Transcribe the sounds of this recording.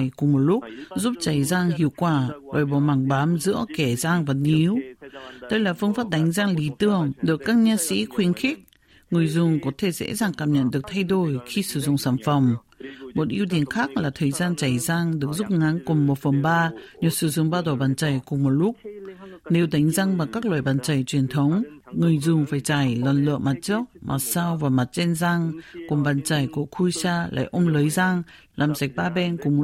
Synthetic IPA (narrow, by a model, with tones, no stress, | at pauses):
jkʊ˨˩ŋ͡mmo˨˩t̚lʊ˦˥k͡p̚zu˦˥p̚t͡ɕa˨˧˩jzaː˧ŋɦḭ˧˨əwkwaː˧˩va̰ː˨˩jɓɔ˧˩maː˨˧˩ŋɓaː˨˦mzɨ̰˧˥əkɛ˧˩zaː˧ŋvaː˨˩nʔi˨˦wɗə˧jlaː˨˩fɨ˧ŋfaː˦˥p̚ɗa˨˦jŋ̟zaː˧ŋli˨˦t̪ɨ˧˩əŋɗɨ˨˩əkːaː˦˥k̚ɲaː˧sḭ˧˥xwi˨˦ənxi˦˥k̚ | ŋɨ˨˩əjzʊ˨˧˩ŋ͡mkɔ˨˦t̪ʰe˧˩zḛ˧˥zaː˨˩ŋkaː˨˩mɲə̰˧˨nɗɨ˨˩ək̚t̪ʰa˧jɗo˨˩jxi˧sɨ̰˧˩zʊ̰˧˩˨ŋ͡msaː˧˩nfə˨˩wŋ͡m | mo˨˩t̚ʔi˧əwt̪̬i˨˦ənxaː˦˥k̚laː˨˩t̪ʰəː˨˩jzaː˧nt͡ɕa˧˩jzaː˧ŋɗɨ˨˩ək̚zʊ˦˥k͡p̚ŋa˨˦nkʊ˨˩ŋ͡mmo˨˩t̚fə˨˩mɓaː˧ɲɔ˨˧˩sɨ̰˧˩zʊ̰˧˩ŋ͡mɓaː˧ɗɔ˨˩ɓaː˨˩nt͡ɕa˨˧˩jkʊ˨˩ŋ͡mmo˨˩t̚lʊ˦˥k͡p̚ne˨˦wɗa˨˦jŋ̟za˧ŋmaː˨˩kaː˦˥k̚lwaː˧˨˩jɓaː˨˩nt͡ɕa˨˩jt͡ɕwi˨˩ənt̪ʰə˨˦wŋ͡mŋɨ˨˩əjzʊ˨˩ŋ͡mfaː˨˩jt͡ɕa˧˩jlɔ˨˩nlɨ̰˧˨əŋma˨˩t̚t͡ɕɨ˦˥ək̚mʔa̰˨˩saː˧wvaː˨˩ma˨˩t̚t͡ɕɛ˧nzaː˧ŋkʊ˨˩ŋ͡mɓaː˨˩nt͡ɕa˧˩jku˧˩əkʰu˧jsaː˧la̰ː˧˨jʔə˧ŋ͡mlə˨˦jzaː˧ŋ | laː˨˩mza˨˩k̟̚ɓaː˧ɓɛ˧nku˧˩əm˨˩